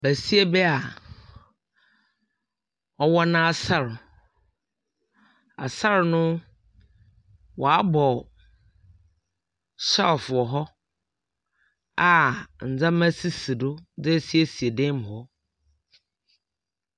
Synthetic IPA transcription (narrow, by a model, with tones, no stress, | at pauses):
bæ˨si˦e˦bɛ˦a˨ | ɔ˦wɔ˦nã˦a˨sa˦ɾʊ˨ | a̰˨sa˦ɾnʊ̃˦ | wɔ˨a˦bɔ˨ | sa˦˨fʊ˨ɔ˨ɦɔ˦ | a˨n̩˨d͡zã˦mæ̃˦si˦si˨dʊ˦d͡zɪ˦si˦e˨si˨e˨dẽ˦m˨ɦɔ˦